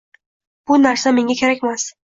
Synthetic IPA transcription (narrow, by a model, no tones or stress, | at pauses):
b̥ʊnaɾsame̞ŋʲakʲʰeɾakʲmas